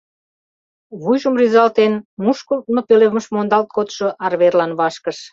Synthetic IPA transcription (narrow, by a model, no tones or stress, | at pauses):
βujʒəmrizɑlt̪enmuʃkult̪mopeleməʃmond̪ɑlt̪̚kot̪ʃoʔɑrβerlɑnβɑʃkəʃ